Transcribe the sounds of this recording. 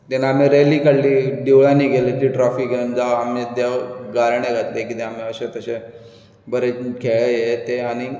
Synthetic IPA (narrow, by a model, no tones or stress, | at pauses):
t̪enaːmiɾeliːkəɽliːɖiʋɭãniːɡʱelet̪iːʈɾɔfiɡend͡zaamet̪aɡaɾɳeɡʱat̪lekit̪eam̤iəɕet̪əɕe | bəɾekʰeɭəjet̪eañi